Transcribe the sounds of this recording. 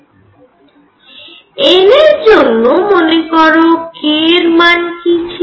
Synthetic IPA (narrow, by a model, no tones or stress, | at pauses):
eneɾd͡ʒonːomonekɔɾokeɾmankit͡ʃʰ